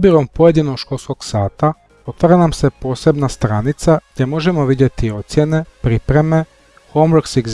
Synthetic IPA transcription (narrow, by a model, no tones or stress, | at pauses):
biɾompoje̞d̪inoɡʃkolˠskoksaːt̪a | ot̪ʋaɾanamsepo̞ːsebnast̪ɾanit̪saɡdʲemo̞ʒemoʋidjet̪io̞t̪sjenepɾiːpɾeme | xomɾksiɡ